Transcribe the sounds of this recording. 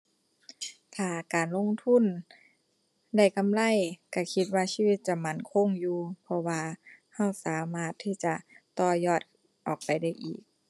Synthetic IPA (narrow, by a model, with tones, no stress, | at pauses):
t̪ʰaː˧˩kaː˨nlo˧˥˨ŋt̪ʰu˧˥˨n | da˧˩jka˨mla˧˥˨jka˧˩kʰi˧t̪̚waː˧siː˧˨wi˧t̪̚t͡ɕa˧˨ma˧˩nkʰo˧˥˨ŋjuː˧pʰɔ˧waː˧ | ha˧˥˩wsaː˨˦maː˧˩t̪ʰːiː˧˩t͡ɕa˧t̪ɔː˧˩jɔː˧˩t̪̚ | ʔɔː˨˩k̚pa˨jda˧˥˩jʔḭː˨˩k̚